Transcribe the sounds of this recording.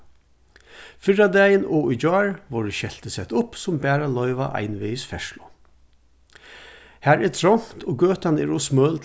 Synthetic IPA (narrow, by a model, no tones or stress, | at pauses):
fɪɹad̪æːjənoːud͡ʒɑːɹʋɔɹəʃɛlt̪əsɛt̪ʊpsʊmbæːɾalœʏʋa̰ʔa̰ɪnʋɪɪsfɛʂlʊ | hæːɹɛːt̪ʰɾɔŋ̥t̪ʰɔːɡøːt̪anɛ̰ɹɔsmœːlt̪ʰ